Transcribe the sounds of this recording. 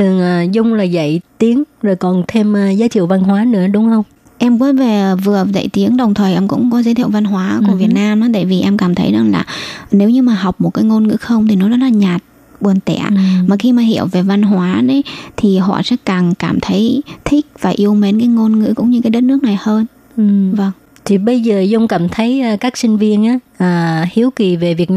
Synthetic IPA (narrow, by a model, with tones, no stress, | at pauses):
t̪ʰɨ˨˩əŋʔaː˨˩zʊ˧wŋ͡mlaː˨˩zə̰˧˨jt̪i˨˦əŋzoː˨˩jkɔ˨˩nt̪ʰe˧mː˨zaː˨˦t͡ɕḭ˧˨əwva˧nɦwaː˨˦nɨ̰˧˥əɗʊ˨˦ŋ͡mhə˧wŋ͡m | ʔɛ˧mkɔ˨˦ve˨˩˨vɨ˨˩əzə̰˧˨jt̪i˨˦əŋɗə˨˩wŋ͡mt̪ʰəː˨˩jʔɛ˧mkʊ̰˧˥ŋ͡mkɔ˨˦zəː˨˦t̪ʰḭ˧˨wva˧nɦwaː˨˦ku˧˩əvi˨˩ət̚naː˧mnaː˨˦t̪a̰ː˧˨jvi˨˩ʔɛ˧mkaː˧˩mt̪ʰə˨˦jzɨ˨˩ŋla̰ː˨˩ne˨˦wɲɨ˧maː˨˩ɦa˨˩wk͡p̚mo˨˩t̚kaː˨˦jŋo˧nŋɨ̰˧˥xə˧wŋ͡mt̪ʰi˨˩nɔ˨˦zɔ˦˥t̚laː˨˩ɲaː˨˩t̚ | ɓu˨˩ənt̪ɛ̰˧˨maː˨˩xi˧maː˨˩ɦi˧˨əwve˨˩va˧nɦwaː˨˦ɗe˨˦t̪ʰi˨˩ɦɔ̰˧˨sɛ̰˧˥kaː˨˩ŋkaː˧˩mt̪ʰə˨˦jt̪ʰï˦˥k̟̚vaː˨˩ʔi˧əwme˨˦nkaː˨˦jŋo˧nŋɨ̰˧˥kʊ̰˧˥ŋ͡mɲɨ˧kaː˨˦jɗə˦˥t̚nɨ˦˥k̚na˨˩jhəː˧n˨ | və˧ŋ | t̪ʰi˨˩ɓə˧jzəː˨˩zʊ˧wŋ͡mkaː˧˩mt̪ʰə˨˦jʔəː˧˩kaː˦˥k̚sï˧ŋ̟vi˧ənʔaː˨˦ʔəː˨˩hi˨˦əwki˨˩ve˨˩vi˨˩ə